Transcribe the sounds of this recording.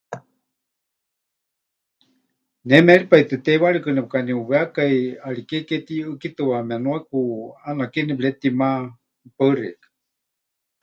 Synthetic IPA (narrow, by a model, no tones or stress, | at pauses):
nɛmɛaɺipait̪ɨt̪eβaɺɨkɨnɛp̚kaniuβeakajaɺikeket̪iɨkit̪ɨwamɛanuakuanakinibɺet̪ima | pəɨrɛ̰k